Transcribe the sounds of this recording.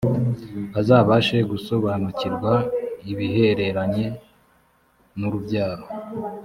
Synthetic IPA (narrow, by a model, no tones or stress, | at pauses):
azaːβaʃe̞ɡuso̞βaːnuciɾɡwaiβiɦe̞ɾe̞ɾaɲe̞ | nuɾubɟaːɾo